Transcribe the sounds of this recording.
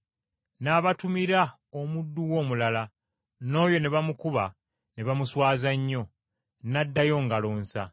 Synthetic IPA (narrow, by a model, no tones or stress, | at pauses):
naːβatumiɾa | omudːuwo̞ːmulala | no̞ːjo̞ne̞βamukuβa | ne̞βamuswaːzaɲːo̞ | nadːajo̞ŋɡaloːnsa̰